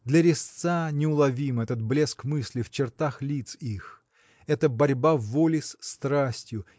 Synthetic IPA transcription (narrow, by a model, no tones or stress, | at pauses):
d̪lʲəɾʲɪst̪sanʲɪʊlˠɐvʲimɛt̪ət̪̚blʲeskmɨsʲlʲɪft͡ɕɪrt̪axlʲit̪six | ɛt̪əbɐɾʲbavolʲɪsʲst̪ɾasʲtʲjʊ